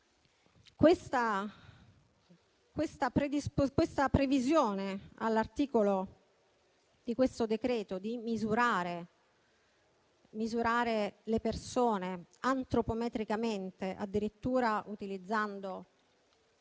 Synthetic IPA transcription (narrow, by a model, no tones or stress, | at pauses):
kwest̪a | kwest̪apɾed̪ispokwest̪apɾevizjoːnea̰lːart̪iːkolo | d̪̥ikwest̪od̪ekɾeːt̪od̪imizuɾaːɾe | mizuɾaːɾelepersoːneant̪ɾopomɛt̪ɾikament̪eʔa̰d̪ːiɾit̪ːuːɾaʔut̪ilid̪zːand̪o